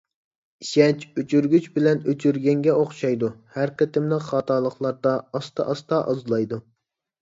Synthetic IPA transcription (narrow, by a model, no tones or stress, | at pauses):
ʃɛt͡ʃøt͡ʃʰyɾɡʲyt͡ʃbɪlɛnøt͡ʃʰyɾɡʲɛŋɡʲɛoχʃɑjd̪uhæɾqʰət̪ʰɪmləχɑːt̪ʰɑːlˠəχlˠɑɾd̪ɑːst̪ɑ̰ʔɑst̪ɑʔɑzlˠɑjd̪u